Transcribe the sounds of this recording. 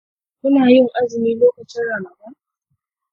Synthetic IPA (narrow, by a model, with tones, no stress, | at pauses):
ku˦na˨a˨˦i˦m̩˨ʔa˦zi˨mi˨˦lɔ˦ka˨t͡ʃa˦ɾa˨na˨ka˦